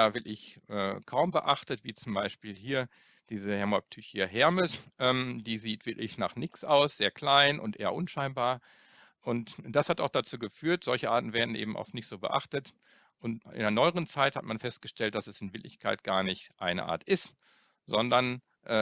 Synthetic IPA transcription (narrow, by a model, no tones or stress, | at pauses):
aːvɪklɪçʔɛ̰ːkʰaʊmbəʔaχtətv̥iːt͡sʊmbaɪʃpiːlɦiːɐ | d̥iːzəhɛɐmɔp̚tʰyçiɦɛɐmɪsʔɛːmdiːziːtv̥ɪɐklɪçna̰ːχnɪksʔaʊsz̥eːɐkl̥aɪnʔʊ̰ntʔḛːɐ̰ʔʊnʃaɪnbaːɐ | ʔʊntd̥ashataʊxd̥at͡suːɡəfyːɐtz̥ɔlçəʔaːtn̩veːɐdn̩ʔḛːbm̩ʔa̰ʊfnɪçtz̥oːbə̰ʔa̰χtət | ʔʊntʔɪ̰ndeːɐnɔʏəʁənt͡saɪtha̰tmanfɛst̚ɡ̥əʃtɛlt̚d̥asɛsɪnvɪɐklɪçkʰaɪt̚ɡ̥aːɐnɪçtʔa̰ɪnə̰ʔa̰ːɐtʔɪst | zɔndɐn | ʔɛː